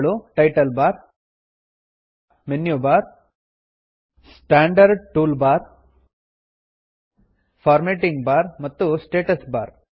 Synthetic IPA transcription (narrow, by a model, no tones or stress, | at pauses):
ɭuʈɐjʈɐlbaːɾ | menjuːbaːɾ | sʈaːɳɖɐɾɖʈuːlbaːɾ | pʰaːɾmeːʈiŋɡbaːɾmɐt̪ːusʈeːʈɐsbaːɾ